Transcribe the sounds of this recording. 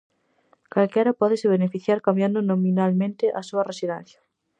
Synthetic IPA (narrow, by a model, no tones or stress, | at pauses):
kalkɛɾɐpɔðɪsɪβ̞enefiθjaɾkambjand̪ʊnomĩnalmẽnt̪ɪʔasuɐresiðɛn̟θjɐ̥